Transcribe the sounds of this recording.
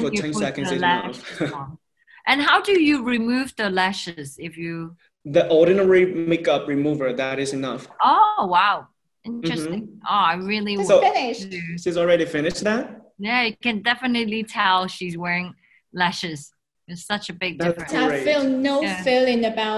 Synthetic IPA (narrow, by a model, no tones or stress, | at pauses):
fətʰɛ̃nɛknlæʃ | ʔɨ̃nɦaʊdɨjɨɹimʉvðəlæʃɪzɪfjɨ | ðiʔɔɹɾⁿnɛɹimekʌp̚ɹimuvə˞ðɨɾɨzɨnʌfowaʊ | ʔɪ̃nt͡ʃɹ̥ɨstɪ̃ŋʔoaɪɹɪlˠiofɪnɪʃʃizl̩ˠɹɛɾifɪ̃nɨʃðæt̚jæjɨkɨ̃ndɛfɨnɨtˡlitʰɛlˠʃizwɛɹɪ̃ŋ | læʃɨz̥ | ɨz̥sʌt͡ʃɨbɪɡ̚dɪfɹɨ̃filˠnoʊfɪlˠɪ̃ŋɨbaʊ